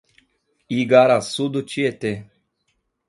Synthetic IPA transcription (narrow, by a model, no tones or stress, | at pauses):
iɡaɾasud̪ut͡ʃiet̪e